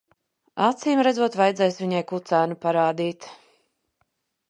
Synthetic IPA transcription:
at̪siːmɾɛd̪zuɔt̪vajd̪zɛjsviɲajkut̪sæːnupaɾaːd̪iːt̪

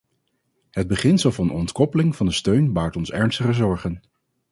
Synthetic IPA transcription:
ɦəd̚bəχɪnsəlˠvɑnɔ̰ntkɔpəlɪŋvɑndəstøɥnbaːɹtɔnsɛɹnstəχəzɔɹχən

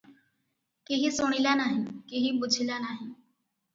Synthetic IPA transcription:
keɦisʊɽ̃ilanaːɦĩkeɦibʊd͡ʒʱilanaːɦĩ

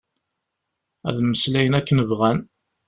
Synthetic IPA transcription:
æ̰ðməslæjənækːənəvʁæn

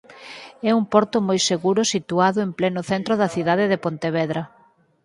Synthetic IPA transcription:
ɛumpɔɾt̪ʊmɔjseɣuɾʊsit̪uaðʊemplɛnʊθɛnt̪ɾʊðɐθiðaðeðepont̪eβ̞ɛðɾɐ

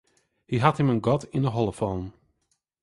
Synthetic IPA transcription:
hiɦathəmənɡɔtʰɪndəɦɔlˠəfɔn

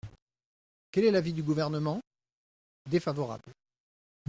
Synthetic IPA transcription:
kʲɛlɛlavid̪yɡuvɛʁnəmɑ̃ | d̪efavɔʁa̰bl

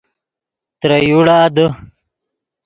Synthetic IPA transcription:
t̪ɾɐjuɽad̪ə

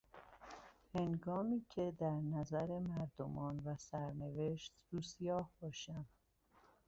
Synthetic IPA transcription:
he̞ŋɡɒːmiːcʰe̞d̪æɾnæzæɾe̞mæɾd̪omɒːnvæsæɾne̞veʃt̪ɾuːsijɒːhb̥ɒːʃæm

